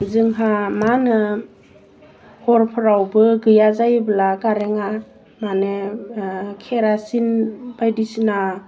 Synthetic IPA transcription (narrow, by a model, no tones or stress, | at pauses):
zɯŋɦamanɯ | hɔɾpʰɯɾawbɯɡɯjazajbɯlakaɾeŋa | mane | kʰeɾasinb̥ajdisina